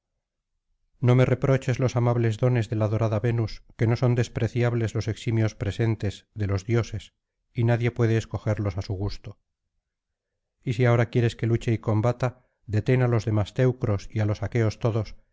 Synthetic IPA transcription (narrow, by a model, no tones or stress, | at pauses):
no̞me̞re̞pɾo̞t͡ʃe̞zlo̞samaβle̞zðo̞ne̞zðe̞laðo̞ɾaðaβe̞nuske̞no̞so̞nd̪e̞spɾe̞θjaβle̞zlo̞se̞ksimjo̞spɾe̞se̞nt̪e̞zðe̞lo̞zðjo̞se̞s | inaðje̞pwe̞ðe̞ːsko̞xe̞ɾlo̞sasuɣust̪o | isiao̞ɾakje̞ɾe̞ske̞lut͡ʃeiko̞mbat̪a | ðe̞t̪enalo̞zðe̞mast̪e̞wkɾo̞sialo̞sake̞o̞st̪o̞ðo̞s